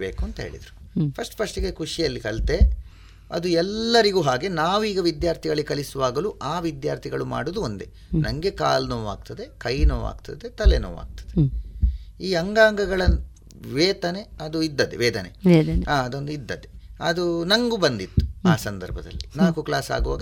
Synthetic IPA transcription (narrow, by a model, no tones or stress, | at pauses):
bḛːkuɐnt̪ɐɦḛːɭḭd̪ɾu | pʰɐsʈpʰɐʂʈiɡekuʂijɐlːikɐlt̪e̞ | ɐ̰d̪uɛlːɐɾiɡuːɦaːɡe̞naːʋiːɡɐʋid̪jaːɾt̪ʰiɡɐɭikɐlisuʋaːɡɐluʔaːʋid̪jaːɾt̪ʰiɡɐɭuma̰ːɽud̪uond̪e̞ | nɐŋɡe̞ka̰ːlnoːʋa̰ːɡ̚t̪ɐd̪e̞kɐjnoːʋa̰ːɡt̪ɐd̪e̞t̪ɐleno̰ːʋa̰ːɡ̚t̪ɐ̥d̪e | iːɐŋɡaːŋɡɐɡɐɭɐ | ʋeːt̪ɐne̞ɐd̪uid̪ːɐd̪eʋɛːd̪ɐnḛd̪ɐnaːɐd̪ond̪uid̪ːɐd̪e̞ɐd̪unɐŋɡubɐnd̪it̪ːu̥aːsɐnd̪ɐɾbʱɐd̪ɐ̰lːinaːkuklaːsa̰ːɡuʋa̰ːɡɐ